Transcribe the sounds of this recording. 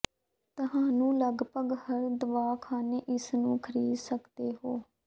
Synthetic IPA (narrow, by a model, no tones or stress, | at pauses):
t̪əɦãːnũːləɡpəɡhəɾd̪əʋaːkʰaːneːʔɪsnũːkʰəɾiːd̪səkd̪eːɦoː